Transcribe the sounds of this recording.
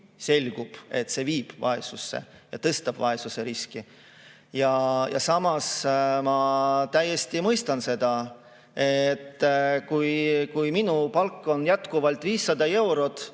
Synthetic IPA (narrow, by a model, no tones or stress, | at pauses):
se̞lʲɡ̥ub̥e̞t̪ːse̞viːb̥vɑ̰e̞susːe̞̰jɑ̰t̪ɤst̪ɑb̥vɑ̰e̞suse̞ɾiski | jɑjɑ̰sɑmɑsmɑt̪æjːe̞st̪imɤjst̪ɑnse̞d̪̥ɑ | e̞t̪ːkujkujminupɑlkːo̞njæt̪kuvɑlt̪viːsːɑd̪̥ɑe̞wɾo̞t̪